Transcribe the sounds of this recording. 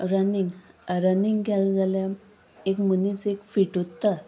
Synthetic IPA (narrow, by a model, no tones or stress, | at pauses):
ɾəniŋɡɾəniŋɡɡald͡zalja | ekmunit͡sekfiʈut̪ːa